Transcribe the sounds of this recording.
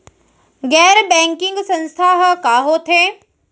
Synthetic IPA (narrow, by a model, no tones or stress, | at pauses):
ɡɛːɾbɛ̃ːŋkɪ̃ŋɡsɐ̃nst̪ʰaɦkaːɦot̪ʰẽː